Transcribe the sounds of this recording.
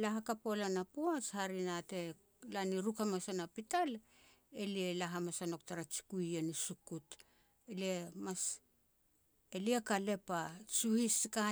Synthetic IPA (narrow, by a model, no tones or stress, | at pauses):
laɦakapo̞lanapuashaɾinate̞ | laniɾukamasanapital | elielaɦamasano̞ktaɾat͡ʃi̥kujenisukut | eliemas | eliekale̞pasuhiska